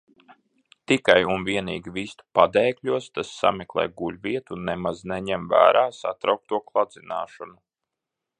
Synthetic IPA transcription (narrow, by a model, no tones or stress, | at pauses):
t̪ikajunviɛniːɡʲivist̪u̥pad̪ɛːkʎʲuɔst̪asːa̰mɛklˠɛ̰ːjɡuʎʲvʲiɛt̪unːemazneɲɛmvæ̰ːɾʔaːsat̪ɾawk̚t̪uɔklˠad̪zina̰ːʃɔnu